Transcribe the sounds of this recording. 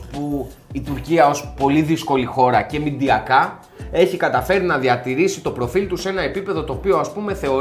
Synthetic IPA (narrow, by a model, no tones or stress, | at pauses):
puit̪uɾciɐo̞spo̞liðisko̞lixo̞ɾɐce̞mid̪iɐkɐ | e̞çikɐt̪ɐfe̞ɾinɐðiɐt̪iɾisit̪o̞pɾo̞filt̪use̞nɐe̞pipe̞ðo̞t̪o̞ːpio̞ɐspume̞θe̞o̞